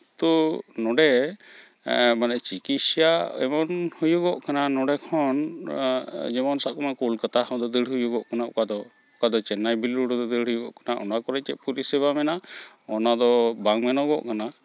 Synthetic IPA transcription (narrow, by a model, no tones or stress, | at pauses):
t̪ɔnɔɖɛ | banɛʔt͡ʃikit̪sijaɛ̰mɔnhujuɡɔʔkananɔɖɛkʰɔn | d͡ʒɛmɔnsaʔkɔmakulkət̪ahɔd̪ɔd̪əɽ̤ɦujuɡɔʔkanaɔ̰kad̪ɔ | ɔkad̪ɔt͡ʃɛnajbilɾuɖɔd̪ɔd̪əɽhujuɡɔʔkanaʔɔnakɔɾɛt͡ʃɛʔ̪̚puɾisɛβamɛna | ɔnad̪ɔbaŋmɛnɔɡɔ̰ʔkana